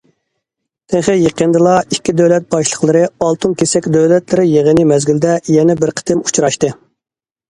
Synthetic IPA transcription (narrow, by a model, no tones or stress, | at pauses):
t̪ʰeχɪjeqənd̪ɨlˠɑikʲːid̪øwlɛt̪̚bɑʃlˠəχlˠɨɾɨɑlˠt̪ʰunkʲʰesɛkʲd̪øwlɛt̪lɪɾɪjeʁənɨmɛzɡʲild̪ɛjɛnɛbɪɾqʰə̥t̪ʰɪmu̥t͡ʃʰɾɑʃt̪ɨ